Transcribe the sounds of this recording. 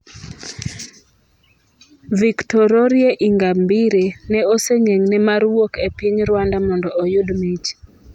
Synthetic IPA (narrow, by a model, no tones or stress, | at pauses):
viktɔɾɔɾjeʔiŋɡambiɾenɛoseŋeŋnɛmaɾwokepɪɲɾwandamɔndɔʔojʊdmit͡ʃ